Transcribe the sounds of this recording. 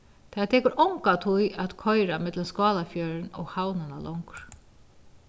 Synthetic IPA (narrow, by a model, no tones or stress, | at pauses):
t̪ʰat̪ʰɛːkʊɾʔɔwŋkat̪ʰujaðkʰɔjɾamɪt̪ləskɑːlafjœɾnɔ̰ɣhawnɪnalʔɔŋkɾ